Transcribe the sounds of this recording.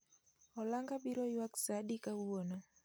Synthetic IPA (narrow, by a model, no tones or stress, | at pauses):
ɔlaŋɡabiɾɔjwaksadikawwonɔ